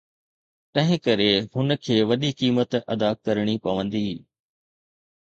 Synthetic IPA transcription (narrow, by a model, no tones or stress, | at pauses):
t̪ɐ̃ɦɪ̃kɐɾeɦʊnə̆kʰeːʋɐɗikiːmət̪ɐ̰d̪aːkɐɾɽ̃ipɐʋə̃nd̪iː